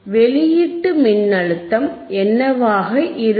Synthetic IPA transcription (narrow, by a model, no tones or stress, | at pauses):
ʋɛɭɪjɪʈːɯmɪnːɐɭɯt̪ːɐm | ʔɛnːɐʋaːɣɐʔɪɾ